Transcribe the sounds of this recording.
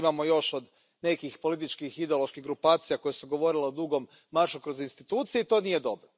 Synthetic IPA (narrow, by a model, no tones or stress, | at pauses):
maːmojo̞ʃod̪ | ne̞kixpo̞lit̪̬it͡ʃkixid̪eo̞lˠo̞ʃkiɦɡɾupaːt̪sijako̞jesuɡo̞ʋo̞ɾiled̪uɡo̞mːaɾʃukɾozinst̪it̪uːt̪sijeit̪o̞ːnije̞d̪o̞bɾo